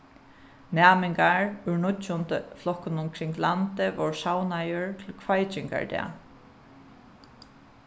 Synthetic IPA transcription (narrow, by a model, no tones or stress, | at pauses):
næːmɪŋkaɹʏɹnʊtːʊnt̪əflɔhkʊnʊmkʰɾɪŋklant̪ɪvɔ̰ɹsawnajʊɹt̪ʰɪlkʰvajt͡ʃɪŋka̰ɹd̪ɛ̰ː